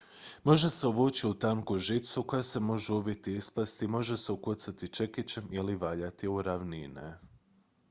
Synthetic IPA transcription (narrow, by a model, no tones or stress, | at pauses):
mo̞ʒeseoʋuːt͡ɕiut̪aŋkuʒit̪suko̞jase̞mo̞ʒeubit̪iispast̪imo̞ʒeseukot̪sat̪it͡ʃe̞kit͡ɕemiliʋaʎat̪iuɾaʋninḛ